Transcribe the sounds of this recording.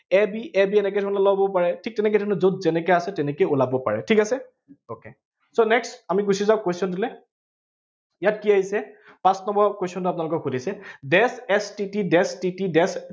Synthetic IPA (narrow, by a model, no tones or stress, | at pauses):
ɛbiʔɛbiɛnɛk̬ɛjdʱɔnɔlɔbɔpaɹɛtʰik̚tɛnɛkɛjdʱɔnɔzot̚zɛnɛkɔjasɛtɛnɛkojulabɔpa̰ɹɛ̰tʰikasɛ | oke | sonɛksamiɡusizaʊ̃kesɔntilɛ | ijat̚kiaɦisɛ | pãsnɔmbɔkwesiɔnt̬ʊapʊunalʊkɔkxudisɛdɛsɛstitidɛstitidɛs